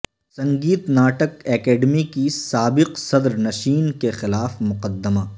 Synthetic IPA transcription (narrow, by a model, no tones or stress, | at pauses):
sɐ̃ŋɡiːt̪naːʈəkɛːkeːɖmikisaːbɪqsɐd̪ɾnɐʃiːnkexɪlaːfmʊqəd̪ːəmaː